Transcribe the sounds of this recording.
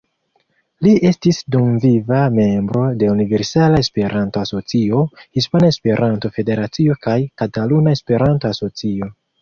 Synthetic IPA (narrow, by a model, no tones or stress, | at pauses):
liʔe̞stisdumvivame̞mbɾo̞de̞unive̞ɾsalae̞spe̞ɾʔanto̞aso̞t͡sio̞hispanaespe̞ɾʔanto̞fe̞de̞ɾat͡sio̞kajkatalunae̞spe̞ɾantoaso̞t͡sio̞